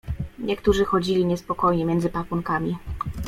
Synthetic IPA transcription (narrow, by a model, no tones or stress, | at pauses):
ɲɛkt̪uʐɘxɔd͡ʑilʲiɲɛspɔkɔjɲɛmʲjɛnd̪zɘpakuŋkamʲi